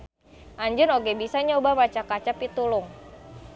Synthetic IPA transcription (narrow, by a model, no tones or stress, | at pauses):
ʔaɲd͡ʒʊnoɡɛbisaɲobamat͡ʃakat͡ʃapit̪ulʊŋ